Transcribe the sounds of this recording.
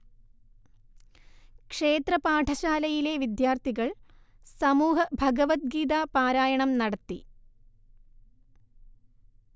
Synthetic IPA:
kʂe̞ːt̪rɐpaːʈʰɐɕaːlɐjile̞ʋid̪jaːrt̪ʰiɣɐɭ | sɐmuːɦɐbʱɐɡɐʋɐt̪̚ɡiːd̪apaːɾaːjɐɳɐmnɐɽɐt̪ːḭ

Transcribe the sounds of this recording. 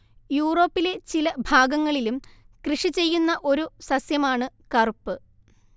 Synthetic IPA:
juːro̞ːpːile̞t͡ɕilɐbʱaːɡɐŋːɐɭilum | krɨʂit͡ɕe̞jːunːɐʔo̞ɾusɐsjɐmaːɳɨkɐrpːɨ

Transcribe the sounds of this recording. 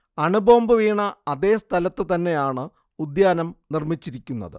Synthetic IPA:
ɐɳubo̞ːmbɨʋiːɳɐɐðe̞ːst̪ʰɐlɐt̪ːɨt̪ɐnːe̞jaːɳɨ | ud̪jaːnɐmnirmit͡ɕːiɾikʲːunːɐ̰ðɨ̰

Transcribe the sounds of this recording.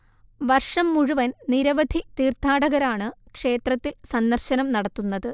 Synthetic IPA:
ʋɐrʂɐmːuɻuʋɐnniɾɐʋɐd̪ʱit̪iːrt̪ʰːaːɽɐɣɐɾaːɳɨkʂe̞ːt̪rɐt̪ːilsɐnːɐrɕɐnɐmnɐɽɐt̪ːunːɐðɨ

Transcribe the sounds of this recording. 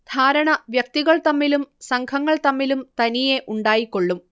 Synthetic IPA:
d̪ʱaːɾɐɳɐʋjɐk̚t̪iɣɐɭt̪ɐmːilumsɐŋkʰɐŋːɐɭt̪ɐmːilumt̪ɐnijeʔuɳɖaːjikːo̞ɭːum

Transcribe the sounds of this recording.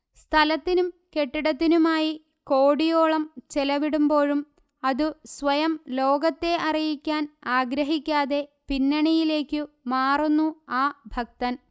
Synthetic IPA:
st̪ʰɐlɐt̪ːinumke̞ʈːiɽɐt̪̬ːinumaːji | ko̞ːɽijo̞ːɭɐmt͡ɕelɐʋiɽumbo̞ːɻum | ɐðɨsʋɐjɐmlo̞ːɡɐt̪ːe̞ʔɐrijikʲːaːnaːɡɾɐɦikʲːaːðe̞pinːɐɳijile̞ːkːɨ | maːrunːuaːbʱɐk̚t̪ɐn

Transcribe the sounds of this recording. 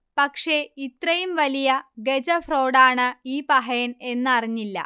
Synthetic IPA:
pɐkʂe̞it̪rɐjumʋɐlijɐɡed͡ʑɐfro̞ːɽaːɳɨiːpɐɦɐjɐne̞nːɨɐriɲːilːɐ̰

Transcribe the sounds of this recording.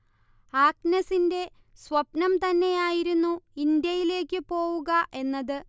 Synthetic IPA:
aːk̚nɐsinde̞ | sʋɐpnɐmt̪ɐnːe̞jaːjiɾunːuind̪jɐjile̞ːkʲːɨpo̞ːʋuɣɐʔe̞nːɐðɨ

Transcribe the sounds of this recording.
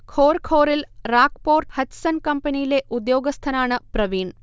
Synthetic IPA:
kʰoːɾkʰoːɾilɾaːkpoːɾʈhɐtsɐnkɐmpɐnijileʔud̪joːɡɐst̪ʰɐnaːɳɐpɾɐʋiːn

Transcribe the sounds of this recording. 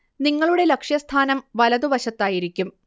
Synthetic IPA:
niŋːɐɭuɽe̞lɐkʂjɐst̪ʰaːnɐmʋɐlɐðuʋɐɕɐt̪ːaːjiɾikʲːum

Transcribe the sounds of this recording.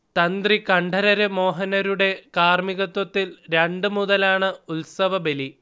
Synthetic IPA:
t̪ɐnd̪rikɐɳɖʱɐɾɐɾɨmo̞ːɦɐnɐɾuɽe̞kaːrmiɣɐt̪wɐt̪ːilɾeɳɖɨmuðɐlaːɳɨulsɐʋɐbeli

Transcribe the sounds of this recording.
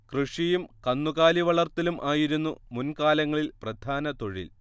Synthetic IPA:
krɨʂijumkɐnːuɣaːliʋɐɭɐrt̪ilumʔaːjiɾunːumunkaːlɐŋːɐɭilprɐd̪ʱaːnɐt̪o̞ɻḭl

